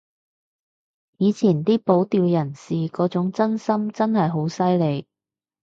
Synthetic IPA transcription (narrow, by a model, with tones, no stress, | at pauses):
jiː˨˧t͡sʰiː˨˩nt̪iː˥po˨˥wt̪iː˧wjɐ˨˩nsiː˨kɔː˨˥t͡sʊ˨˥ŋt͡sɐ˥nsɐ˥mt͡sɐ˥nhɐ˨jɦo˨˥wsɐ˥jle˨˧j